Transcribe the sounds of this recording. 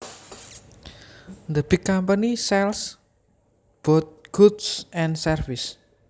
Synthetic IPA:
nd̪əbikːampənisɛls | b̥ɔt̪̚ɡ̥ud̪sʔɛ̃nsərfɪs

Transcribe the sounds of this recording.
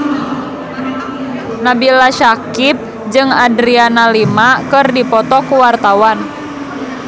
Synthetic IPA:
nabilaʃakip̚ | d͡ʒɨŋadɾianalimakɨrdipɔt̪ɔkuwart̪awan

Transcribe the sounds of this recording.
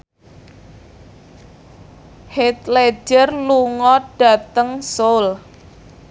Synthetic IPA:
het̪le̥d͡ʒərluŋɔɖ̥a̤t̪əŋsol

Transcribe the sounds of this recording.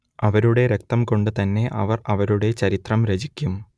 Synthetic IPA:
ɐʋɐɾuɽe̞ɾek̚t̪ɐmko̞ɳɖɨt̪ɐnːe̞ʔɐ̰ʋɐrɐʋɐɾuɽe̞t͡ɕɐɾit̪rɐmɾet͡ɕikʲːum

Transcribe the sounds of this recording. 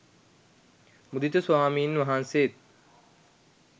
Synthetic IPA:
mud̪it̪eswaːmiːnʋɐɦanseːt̪̚

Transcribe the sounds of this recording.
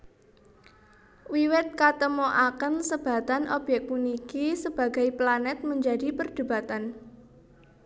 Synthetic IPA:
wiwɪt̪̚kat̪əmoʔakənsəb̥a̤t̪anʔɔb̥jɛk̚munikisəb̥ä̤ɡa̤jplanɛt̪̚məɲd͡ʒadi̤pərd̪̥ṳbat̪an

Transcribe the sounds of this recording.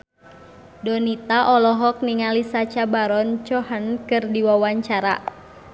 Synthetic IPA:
dɔnit̪aʔɔlɔɦɔk̚niŋalisat͡ʃabaɾɔnt͡ʃɔhənkɨrdiwawaɲt͡ʃaɾa̰

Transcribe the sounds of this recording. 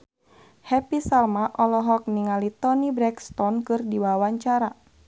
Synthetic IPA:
hɛpisalmaʔɔlɔɦɔk̚niŋalit̪ɔnibɾɛkst̪ɔnkɨrdiwawaɲt͡ʃaɾa

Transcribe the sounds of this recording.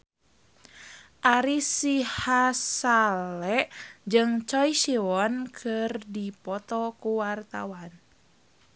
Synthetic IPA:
ʔaɾisihasalɛʔd͡ʒɨŋt͡ʃɔisiwɔnkʰɨrdipɔt̪ɔkuwart̪a̰wan

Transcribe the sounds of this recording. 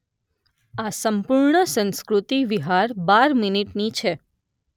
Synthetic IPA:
asəmpuɾɳəsə̃nskɾut̪iʋiɦaɾbaɾminiʈnit͡ʃʰe

